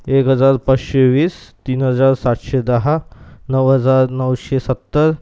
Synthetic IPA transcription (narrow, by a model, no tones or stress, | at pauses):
ekɦəd͡zaɾpat͡sɕeʋiːst̪iːnɦəd͡zaɾsat̪ɕed̪əɦanəʋɦəd͡zaɾnəwɕesət̪ːəɾ